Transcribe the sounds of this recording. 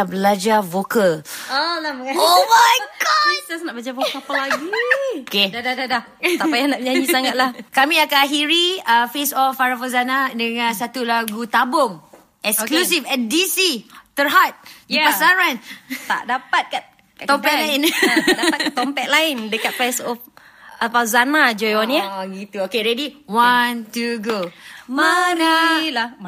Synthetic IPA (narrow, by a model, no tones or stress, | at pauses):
abəlad͡ʒavokalolamomajɡɔsəsnaʔbad͡ʒavokapalaɡiokedadadada | t̪aajanaʔd͡ʒad͡ʒisaŋat̪̚lahkamĩakaɦiɾiəfesɔfaɾafazanadəŋãnsat̪ulaɡut̪abʊŋ | ʔɛksklus̬ifɛn̚disit̪əɦat̪̚jupasaɾant̪a̰ʔdapat̪̚kat̪ | t̪ɔmpɛtlaɪnadapat̪̚kt̪ɔmpɛt̪̚laɪndəkat̪̚fɛsɔf | apazanad͡ʒɔjɔniɡit̪uokeɾɛdiwantuɡomanala